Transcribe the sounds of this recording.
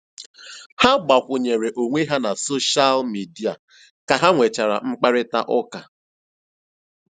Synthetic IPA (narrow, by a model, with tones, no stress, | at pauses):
ha˦ɡ͡ba˨kʷʊ˨ɲe˨ɾe˨ʔo˨ŋʷe˦ɦa˦na˨so˦ʃa˦lmi˨di˦a˨ | ka˨ɦa˦ŋʷe˨t͡ʃa˨ɾa̰˨ŋ͡m̩˦k͡pa˦ɾɪ˦ta̰˦ʔɔ˦ka˨